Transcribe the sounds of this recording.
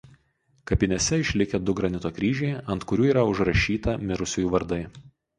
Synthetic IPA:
kɐpʲɪnʲɛsʲɛɪʃʲlʲɪkʲɛd̪ʊɡɾɐnʲɪt̪oːkɾʲiːʒʲɛɪɐnt̪kʊɾʲuːiːɾɐʊʒɾɐʃʲiːt̪ɐmʲɪɾʊsʲujuːʋɐɾd̪ɐɪ

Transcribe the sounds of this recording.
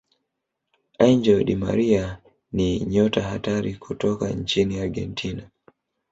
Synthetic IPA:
aiɲd͡ʒɔɗima̰ɾia | niɲɔtaɦataɾikʰutɔkaɲt͡ʃiniaɾɡɛ̰ntʰina

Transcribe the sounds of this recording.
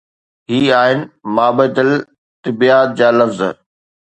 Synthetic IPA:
ɦiːaːɦɪnɪ̆maːbət̪ɪl | t̪ɪbiaːt̪̚d͡ʑaːlɐfz̰

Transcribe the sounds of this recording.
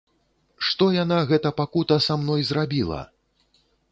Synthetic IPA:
ʂt̪ɔjanaɣɛt̪ɐpakut̪ɐsamnɔjzrabʲilˠɐ̰

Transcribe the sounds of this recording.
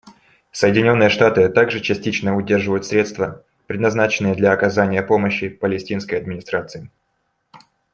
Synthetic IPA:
səjɪdʲɪnʲo̞nːɨjəʂt̪at̪ɨt̪aɡʐɨt͡ɕɪsʲtʲit͡ɕnəʊdʲerʐɨvəjʊt̪sɾʲe̞t̪st̪və | pɾʲɪd̪nɐznat͡ɕɪnːɨjəd̪lʲɐːkɐzanʲɪjəpo̞məɕːɪpəlʲɪsʲtʲinskəjɐd̪̚mʲɪnʲɪst̪ɾat̪sɨɪ

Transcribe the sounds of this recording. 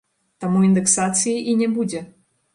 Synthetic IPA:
t̪amuind̪ɛksat̪sɨjiʔinʲɛbud͡zʲɛ

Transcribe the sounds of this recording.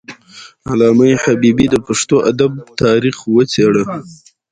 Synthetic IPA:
alɑməjhabibid̪əpaʂt̪oʔad̪ab̚t̪ɑɾixwət͡seɽə

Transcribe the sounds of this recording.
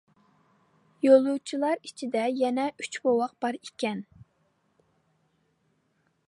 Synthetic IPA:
jolˠut͡ʃʰilˠɑɾit͡ʃʰid̪ɛjɛnɛʔyt͡ʃbowɑq̚b̥ɑɾikʲɛn

